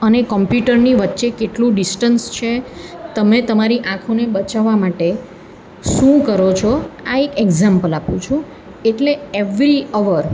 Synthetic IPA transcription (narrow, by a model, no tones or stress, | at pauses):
ənekɔmpjuʈəɾniʋətːʃekeʈlũɖisʈənst͡ʃʰet̪əmet̪əmaɾiʔãkʰonebət͡ʃaʋamaʈe | ʃũkəɾot͡ʃʰɔaekeɡzampəlapũt͡ʃʰũ | eʈleeʋɾiəʋəɾ